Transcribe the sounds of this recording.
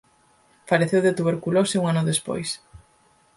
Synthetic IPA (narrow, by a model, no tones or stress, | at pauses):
paɾeθewðet̪uβ̞eɾkuloseuŋanʊðespo̰js